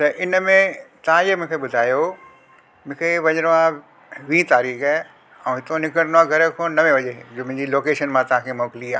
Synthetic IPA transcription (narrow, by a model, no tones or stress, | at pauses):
t̪ɐʔɪnəmẽt̪ɐʋ̤ãemʊ̃kʰeɓʊd̪ʱaːjo | mʊ̃ɦkʰeʋɐɲəɽoã | ʋĩːt̪aːɾiːxaɦ | ɛ̃ːɦɪt̪onɪkəɽnãɡʱɐɾə̆kʰoːnɐmẽʋɐʄed͡ʑoːmʊ̃ɪ̃ɲd͡ʑiloːkeːʃənmãt̪ɐʋ̤ãkʰemɔːkɪliaː